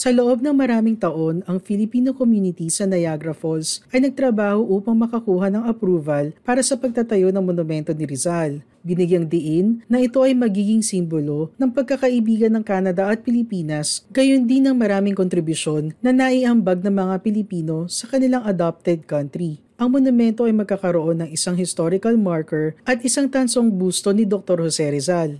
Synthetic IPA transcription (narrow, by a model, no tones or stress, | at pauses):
sɐloʔo̞b̚nɐŋmɐɾaːmɪŋt̪ɐʔo̞nɐŋfɪlɪpiːnokomjuːnɪt̪isɐnɐjaɡɾɐfolsʔɐjnɐɡ̚t̪ɾɐbaːho̞ʔuːpɐŋmɐkɐkuːhɐnɐŋɐpɾuːvɐlpaːɾɐsɐpɐɡ̚t̪at̪ɐjo̞nɐŋmonʊmɛnt̪o̞nɪɾɪzal | bɪnɪɡjɐŋd̪ɪʔɪnːɐɪt̪o̞ʔɐjmɐɡiːɡɪŋsimbolo̞nɐŋpɐɡ̚kɐkɐʔɪbiːɡɐnːɐŋkaːnɐd̪ɐʔɐt̪̚pɪlɪpiːnɐsɡɐjond̪inːɐŋmɐɾaːmɪŋkont̪ɾɪbʊʃo̞nːɐnɐʔiʔɐmbɐɡ̚nɐŋmɐŋapɪlɪpiːno̞sɐkɐnɪlaŋʔɐd̪ap̚t̪ɛd̪̚kɐnt̪ɾi | ʔɐŋmonʊmɛnt̪o̞ʔɐjmɐɡ̚kaːkɐɾoʔo̞nːɐŋɪsaŋhɪst̪o̞ɾɪkɐlmaɹkɛɹʔɐt̪ɪsaŋt̪ɐnso̞ŋɡuːst̪o̞nɪd̪ok̚t̪o̞ɾhosɛɾɛzal